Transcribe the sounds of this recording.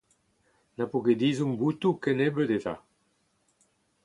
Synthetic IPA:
napuked̪izuŋbut̪ukenebəd̪eta̰

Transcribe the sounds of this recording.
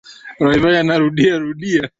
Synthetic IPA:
ɾaivajanaɾuɗiaɾuɗia

